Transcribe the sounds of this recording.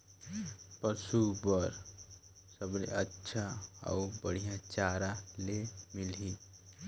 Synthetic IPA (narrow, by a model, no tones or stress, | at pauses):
pəsubəɾ | səbnḛətːʃʰaa̰ubəɽ̤ijãt͡ʃaːɾalemɪli